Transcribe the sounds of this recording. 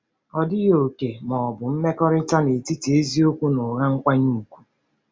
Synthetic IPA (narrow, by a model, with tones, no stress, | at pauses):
ɔ˨dɪ˦jo˨ke˨mɔ˨bʊ˨m̩˦me˦kɔ˦ɾɪ˦ta˦ne˨ti˦ti˨e˦zi˦o˦kʷu˦no˨ɣa˦ŋ̩˦kʷa˦ɲu˦˨kʷu̥˦